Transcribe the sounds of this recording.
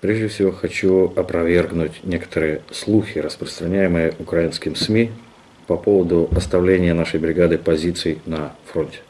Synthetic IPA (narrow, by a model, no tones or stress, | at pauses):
pɾʲeʐdʲɪfsʲɪvo̞xɐt͡ɕuɐpɾɐvʲe̞rɡnʊtʲnʲe̞kə̥t̪əɾɨjəslˠuxʲɪɾəspɾəst̪ɾɐnʲæjɪmɨjəʔʊkɾajinskʲɪmsmʲi | pɐpo̞vəd̪ʊɐst̪ɐvlʲenʲɪjənaʂəjbɾʲɪɡad̪ɨpɐzʲit̪sɨjnɐfɾo̞nʲtʲɪ̥